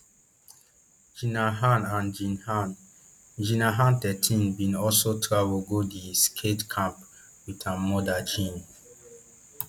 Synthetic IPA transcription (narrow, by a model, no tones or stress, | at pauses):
d͡ʒinaɦãnãnd͡ʒinn | d͡ʒinaɦãntɛtʰĩnbĩnɔlsotʰɹavulɡodiskʰetkʰãmp | witʰãnmɔdad͡ʒĩn